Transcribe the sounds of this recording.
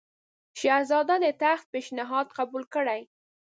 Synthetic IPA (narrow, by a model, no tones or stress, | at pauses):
ʃahzɑd̪ad̪ət̪axt̪̚peʃnɪɦɑd̪qabulkəɽaj